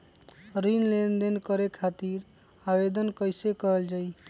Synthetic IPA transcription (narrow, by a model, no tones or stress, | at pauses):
ɾinlenɖ̪enkəɾekʰat̪iɾ | abed̪ənkəjsekəɾəld͡ʒai